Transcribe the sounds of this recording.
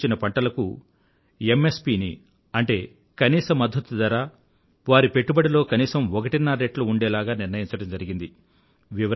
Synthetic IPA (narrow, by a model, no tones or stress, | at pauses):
t͡ʃinɐpɐɳʈɐlɐkṵ | e̞me̞spiːnḭ | ɐɳʈe̞ː | kɐniːsɐmɐd̪ʱːut̪ud̪ɐɾaː | ʋaːɾipe̞ʈːubɐɽilo̞ːkɐniːsɐmɔkɐʈinːaɾeʈluːɳɖɛːlaːɡaːniɾnɐjiɲt͡ʃɐɽɐmd͡ʒɐɾiɡind̪i | ʋiʋ